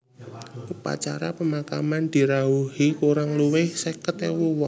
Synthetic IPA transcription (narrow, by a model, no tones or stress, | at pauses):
ʔupa̰t͡ʃa̰ɾapəmaka̰mand̪̥i̤ɾauhikuɾaŋluwɪhsɛkət̪ewuwɔ